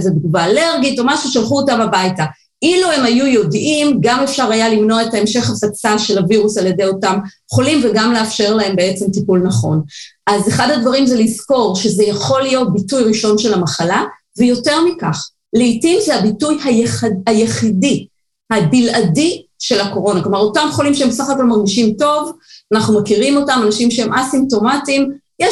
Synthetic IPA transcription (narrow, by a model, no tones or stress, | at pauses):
zedɡuvaːle̞ʁɡito̞maʃuʃalχuotambabajta | ʔiluhe̞majujo̞dʔimɡame̞fʃaʁhajalimno̞ae̞taemʃe̞χasat͡saʃe̞laviʁusalje̞dejo̞tamjχolimveɡamleafʃe̞ʁlaɦe̞mbeet͡se̞mtipulnaχo̞̰nʔazeχadadvaʁimzelizko̞ʁʃe̞zejaχo̞lijo̞t̚bitujʁiʃo̞nʃelamaχala | vejo̞te̞ʁmikaχ | leitimzehabitujhajeχaajeχidi | habiladiʃe̞lako̞ʁo̞naklo̞maʁo̞tamjeχolimʃeebesaχako̞lmaʁɡiʃimto̞vanaχnumakiʁimo̞tamanaʃimʃeemʔasimpto̞matim | je